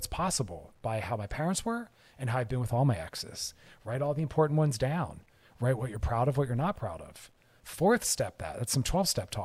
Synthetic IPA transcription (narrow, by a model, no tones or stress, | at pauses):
tspʰɑsəbl̩ˠb̥aɪhaʊmaɪpʰɛɹɨ̃ntswə˞ | ɨ̃nɦaʊaɪvbɨ̃nwɨðɔlˠmaɪæ̰ksɛ̰sɹaɪɾɔlˠðiɨ̃mpʰɔɹʔn̩ʔwʌ̃nzdãʊ̃n | ɹaɪt̚wʌt͡ʃə˞pʰɹ̥aʊɾʌvwʌt͡ʃə˞nət̚pʰɹ̥aʊɾʌ̰v̥ | fɔɹθstɛp̚ðæ̰t̚ðætsʌ̃mtʰw̥ɛlˠv̥stɛp̚tʰɔ